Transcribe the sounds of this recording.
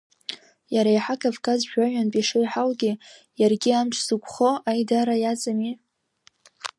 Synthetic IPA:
jaɾajħakʰʼavkʰʼazʒᶣʷaɥᶣanpʼiʂojħalɡʲi | jarɡʲiamʈ͡ʂʰzɨkʷʰʼχoajdaɾajat͡sʼami

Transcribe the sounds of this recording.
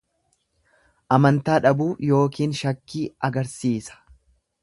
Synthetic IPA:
ʔɐmɐnt̪aːᶑɐbuːjo̞ːkiːnʃɐkːiːɐɡɐɾsiːsɐ̥

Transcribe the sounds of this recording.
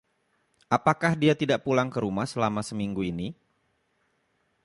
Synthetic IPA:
ʔapakahdiat̪idaʔpulaŋkəɾumahsəlamasəmiŋɡuini

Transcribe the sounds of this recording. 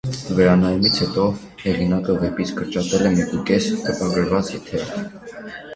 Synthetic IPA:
vɛɾɑnɑjumit͡sʰhɛt̪ɔ | hɛʁinɑkəvɛpit͡sʰkəɾt͡ʃɑt̪ɛlɛmɛkukɛst̪əpɑɡəɾvɑt͡sit̪ʰɛ

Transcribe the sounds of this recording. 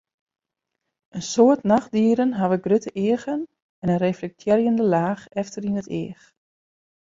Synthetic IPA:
ʔənsoətnaxdiəɾənɦaʋəɡrøtəʔɪːəɣən | ɛnənreflɛk̚tʰjɛrjəndəlaːxɛftərinətɪ̰ːəx

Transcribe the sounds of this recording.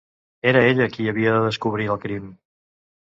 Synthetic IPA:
eɾəeʎəkiəβiəðəðəskuβ̞ɾiəlˠkɾim

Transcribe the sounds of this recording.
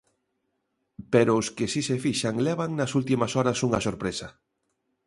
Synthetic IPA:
peɾoʊskesisefiʃaŋlɛβ̞aŋnɐsult̪imasɔɾasuŋasoɾpɾesa

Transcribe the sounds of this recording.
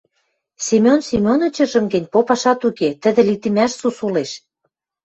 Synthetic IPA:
sʲemʲonsemʲonɤ̆t͡ɕɤ̆ʒə̆mɡə̆nʲpopɑʃɑt̪uket̪ə̆d̪ɘ̆lit̪ĭmæʃsusuleʃ

